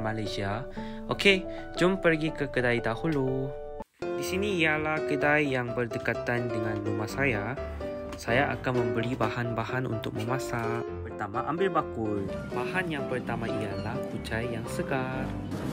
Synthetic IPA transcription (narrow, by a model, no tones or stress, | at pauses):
malajsia | ʔoke | d͡ʒʊmpərɡikəkədajdahulu | disinĩːjalahkədajːaŋbərdəkat̪andəŋãnlumahsaja | sajaʔa̰kanmə̃mbəɾibahanbahanṵnt̪ʊk̚mə̃mãsa | pərt̪amaʔambɪlbakʊl | bahanjaŋpərt̪amãijalahkud͡ʒajːjaŋsəɡar